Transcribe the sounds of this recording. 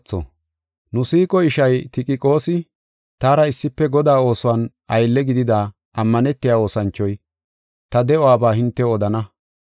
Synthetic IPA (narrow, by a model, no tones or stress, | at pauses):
t͡sːɔ̰ | nʊsiːkʼɔɪʃɐjt̪ɪkʼɪkʼo̞ːsɪ | t̪aːɾɐɪsːɪpːɛɡɔd̪aːo̞ːsʊwan | ɐjlːɛɡɪd̪ɪd̪aː | ɐmːɐnɛt̪ːɪjaːo̞ːsɐnt͡ʃːɔj | t̪ɐd̪ɛɔwaːbaːhɪnt̪ːɛɔd̪ɐnɐ